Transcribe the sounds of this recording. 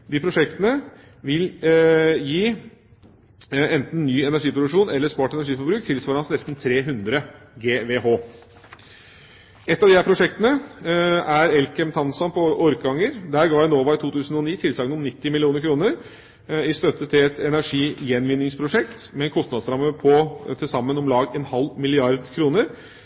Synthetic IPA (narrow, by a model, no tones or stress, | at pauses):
d̪iːpʰɾʊʂɛkt̪ənə | ʋɪl | jiː | ɛnt̪n̩ːyːɛnæʂiːpɾʊd̪ʉkʂuːnɛlːəʂpɑːʈɛnæʂiːfɔɾbɾʉːk̚t̪ʰɪlsʋɑɾəhɑnsnɛst̪n̩t̪ʰɾeːɦʉnd̪ɾəɡeːʋeːɦoː | ɛt̪ːɑʋd̪ɪhæɾpʰɾʊʂɛkt̪ənə | æɾɛlkəmt̪ʰɑnsɔnpʰɔʔɔɾkɑŋːəɾd̪æːɾɡɑːɛnoːʋɑːɪt̪uːt̪ʰʉːsən̩ɔniːt̪ʰɪlsɑːɡənɔmnɪt̪ːɪmɪlɪuːnəɾkʰɾuːnəɾ | ɪst̪œt̪ːət̪ʰɪlɛt̪ɛnæʂiːjɛnʋɪnːɪŋspʰɾʊʂɛkt̪mɛɛnkʰɔst̪ɑd̪sɾɑmːəpʰɔt̪ʰɪlsɑmːənɔmlɑːɡɛnhɑlmɪlɪɑɾd̪kʰɾuːnəɾ